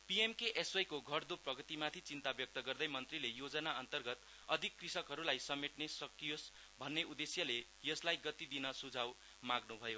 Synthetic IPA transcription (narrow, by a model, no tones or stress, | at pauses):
piemkeʔesʌjkoɡʱʌrd̪uprʌɡʌt̪imat̪ʰit͡sint̪abjʌk̚t̪ʌɡʌrd̪ʌjmʌnt̪rilejod͡zʌnaʌnt̪ʌrɡʌt̪ | ʌd̪ʱikːrisʌkɦʌɾulajsʌmeʈnesʌkːijos | bʱʌnːeʔud̪esjʌle | jʌslajɡʌt̪id̪inʌsud͡zʱaw | maɡnubʱʌjo